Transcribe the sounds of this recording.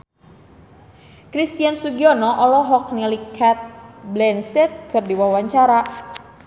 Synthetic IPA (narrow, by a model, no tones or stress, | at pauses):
kɾist̪iansuɡiɔnɔʔɔlɔɦɔk̚nilikʰɛt̪̚blɛnsɛt̪̚kɨrdiwawaɲt͡ʃaɾa